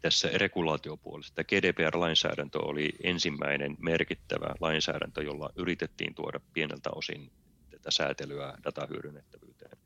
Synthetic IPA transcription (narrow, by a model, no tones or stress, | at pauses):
t̪æsːærekulɑːt̪iopuolest̪ɑɡ̥eːdeːpeːærlɑinsæ̰ːɾænt̪ø̰oliʔensimːæinenmerkit̪ːæʋæ̰lɑinsæ̰ːɾæ̰nt̪øjolːɑʔyrit̪et̪ːḭːnt̪uodɑppienelt̪æ̰osḭn | t̪æt̪æsæːt̪elyæd̥ɑt̪ɑhyøɾynːet̪ːæʋyːt̪ḛːn